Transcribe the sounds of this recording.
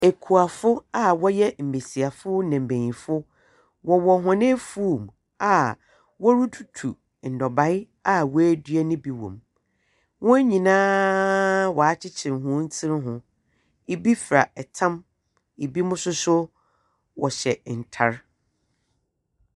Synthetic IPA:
e˨kʰu˨a˨fʊ˦a˨wɔ˦jɛ˦m̩˨be˨si˨a˨fʊ˦nɛ̃˨m̩˨bẽ˨ɲĩ˨fʊ˦ | wɔ˨wɔ˨ɦʊ̃˨nɪ̃˦fu˦˨m | a˨ | wɔ˦ɾu˦tʰu̥˨tʰṵ˨ | n̩˨dɔ˨ba˨˦ɪ˦ | a˨wɔ˦æ˦dɥɛ˦nɪ̃˦bi˨wɔ̰̃˨m | wɔ̃˦ɲĩ˨nãː˦ | wɔ˨a˦t͡ɕʰɪ˦t͡ɕʰɪ˨ɾɦʊ̃˦n̩˦t͡sʰɪ˦ɾɪ˦ɦʊ̃˨ | i˨bi˦fɾa̰˨ɛ˨tʰã˦m | i˨bi˦mʊ̃˦sʊ˦sʊ˦ | wɔ˨ɕɛ˨n̩˨tʰa˦ɾ

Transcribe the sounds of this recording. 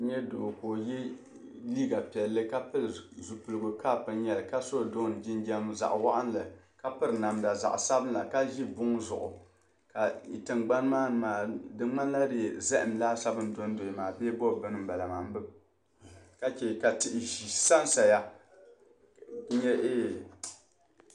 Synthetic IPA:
ɲɛ˦doː˨koː˨jɛ˦ | liː˦ɡa˨pi˨ɛ˨lːɨ˦ka˦pɨ˦ɾzu˨pu˨lɨ˨ɡʊ˨ka˦˨pɨ˦n˦jɛ˨lka˦so˦˨do˦˨n˨d͡ʒi˦n˦d͡ʒɛ˦mza̰˨ʔwa˦ʔa˦n˦la˨ | ka˦pɨ˦ɾɨ˨na˨mda˨za̰˨ʔsa˦bɨ˦n˦la˨ka˦ʒi˦bʊ˦ŋzʊ̰˨ʔʊ̰˨ | ka˨i˨tɨ˨ŋɡ͡ba˦n˦maː˦nɨ˨maː˨dɨ˦ŋ͡ma˦n˦la˦dɨ˨zɛ˦ʔɪ˨m˨laː˦sa˦bɨ˦n˦do˦n˦do˨i˨maː˨beː˦bɔ˦˨bɨ˦nɨ˦m̩˦ba˨la˨maː˨m˦bɨ˦ | ka˦t͡ʃɛ˨ka˨tɪ˨ʔɪ˨ʒi˨sa˦n˦sa˨ja˦ | ɲɛ˦ʔeː˦

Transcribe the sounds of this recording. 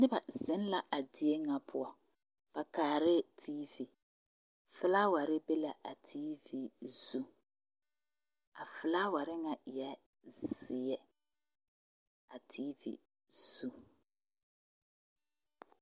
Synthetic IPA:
nɪ˦ba˨zɪ˨˦n˦la˦ʔa˨dɪ˨e˦ŋa˨pʰʊ˦a˨ | b̥a˨kaː˨ɾɪ˦tʰi˦vi˨ | fɪ˦la˦wa˨ɾɪ˦be˦la˨ʔa˨tʰi˦vi˦zu˦ | a˨fɪ˨laː˦wa˨ɾɪ˦ŋa˨jɛ˦ | zɪ˨ɛ˦ | a˨tʰiː˦vḭ˦ | z̥u˦

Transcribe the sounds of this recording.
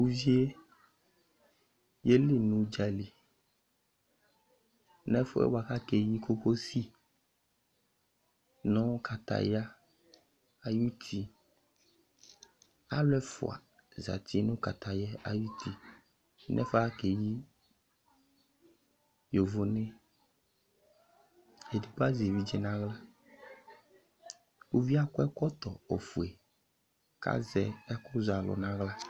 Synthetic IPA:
wu˦vi˦e˦ | je˦li˦nũ˨d͡ʒa˨li˨ | nɛ̃˦fo̰˦ḛ˦wa˨ka˦ke˨ji˦ko˦ko˦si˦ | nɔ̃˦ka˨t̪a̰˨ja˦ | a˨ju˦t̪ʰi˦ | a̰˦lɛ˦fo̰˨a̰˨ | za̰˨t̪i˦nũ˦ka˨t̪a˨jɛ˦a˨ju˦t̪i˦ | nʔɛ̰˦fa˦ke˨ji˦ | jo˨vo˨nẽ˦ | e˨di˨pa˦zvi˨d͡ʒɛ˨nã˦ɣla˦ | u˦vi˦a˦kɔ˦ɛ˦kɔ˦t̪ɔ˨o˨fu˨e˨ | ka̰˦zɛ˦ɛ˦ko˦za˨lɔ̰˨nã˦ɣla˦

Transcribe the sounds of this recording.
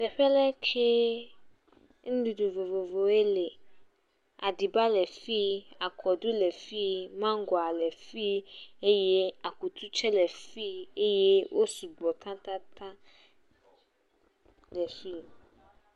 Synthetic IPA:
sɛ˨ɸɛ˦lɛ˦kʰe˦ | ŋ̩̃˦du˨du˨vo˨vo˨vo˨e˦le˨ | a˨di˨ba˦lɛ˨fi˦a˨kʰɔ˨du˦lɛ˨fi˦mã˦ŋ˦ɡɔ˨a˨lɛ˨fi˦e˦je˦a˨ku˨t̪ʰu˦t͡ʃɛ˦lɛ˨fi˦e˦je˦wʔo˦su˨ɡ͡bɔ˨t̪ʰã˦t̪ã˦t̪ã˦ | lɛ˨fi˦

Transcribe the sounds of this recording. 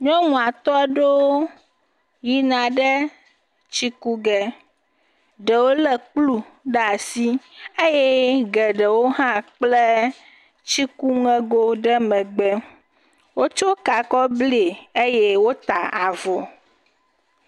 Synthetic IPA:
ɲɔ̃˦ŋũ˨a˨t̪ɔ˦ɛ˦ɖo˦ | ji˦nã˨ɖɛ˦ | t͡ɕi˦ku˦ɡɛ˨ | ɖɛ˨wo˦lɛ˦k͡plu˦ | ɖɛ˦a˨si˦e˦jɛ˦ɡɛ˨ɖɛ˨wo˦ɦã˦k͡plɛ˦ | t͡ɕi˦ku˦ŋɛ̃˦ɡo˦ɖɛ˦mɛ̃˨ɡ͡bɛ˦ | wo˦t͡ʃo˦ka˨kɔ˦ble˨e˦jɛ˦wo˦t̪a˨a˨vɔ˨

